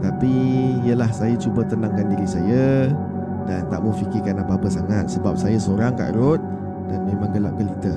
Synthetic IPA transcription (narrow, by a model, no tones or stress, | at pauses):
t̪apiijəlahsajat͡ʃubət̪ənãŋkandiɾisajə | dant̪a̰ʔməfikɪkanapaapəsaŋat̪̚səbap̚sajasəoɾaŋka̰ʔɾʊt̪̚ | danmẽmãŋɡəla̰ʔ̚kəlit̪ə